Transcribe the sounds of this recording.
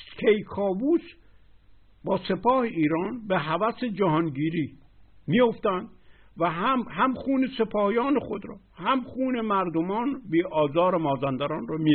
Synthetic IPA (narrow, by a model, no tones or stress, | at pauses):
kʲʰejkʰɒːbuːs | bɒːse̞pʰɒːheiːɾɒːnbeɦævæsed͡ʒæɦɒːnɟiːɾiːmijoft̪ænd̪̥væɦæmhæmxuːnese̞pʰɒːhjɒːnexo̞d̪ɾɒ̰ːhæmxuːnemæɾd̪omɒːnbiːʔɒːzɒːɾemɒːzænd̪æɾɒːnrɔmi